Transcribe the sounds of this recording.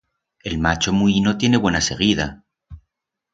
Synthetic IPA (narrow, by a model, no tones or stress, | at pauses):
e̞lmat͡ʃo̞muino̞t̪je̞ne̞βwe̞nase̞ɣið̞a